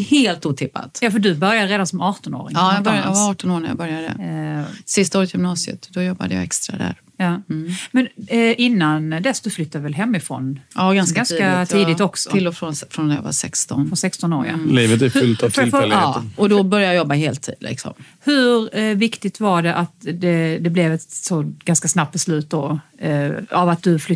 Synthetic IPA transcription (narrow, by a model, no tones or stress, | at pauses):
heːlt̪uːt̪ʰɪpːa̰t̪jɑːfədɵbœɾjad̪əɾeːd̪ansɔmɑːʈɔno̰ːɾɪ̰ŋɑːjaɾjj̰vaɑːʈɔnoːɳaja̰bœɾjad̪ə̰ | sɪst̪aoːɾət̪jʏmnɑːsɪə̰t̪d̪ɔjɔbːa̰d̪əja̰ɛkst̪ɾa̰d̪æ̰ɾ | jɑːmɛnʔɪnːand̪ɛsd̪ɔflʏt̪ʰːad̪ɪvɛlɦɛmːɪfɾɔ̰nɑːɡansɡanskat̪ʰiːd̪ɪt̪ɔksɔɪlːɔfɾɔnfɾɔnɛja̰va̰sɛkst̪ɔnfɾɔnsɛkst̪ɔnoːɾja̰liːvət̪æɾfʏlt̪avt̪ʰlfɛlːʔɔd̪ɔbœɾjajajɔbːaɦeːlt̪ʰːḭːd̪lɪ̰ksɔ̰m | hɵɾvɪkt̪ɪɡt̪vaɖɛʔat̪d̪ɛd̪ɛblɛvɛt̪sɔɡ̥anskasnap̚t̪̚bɛslʉ̟ːt̪̚d̪ɔ | avat̪̚d̪ɵflʏ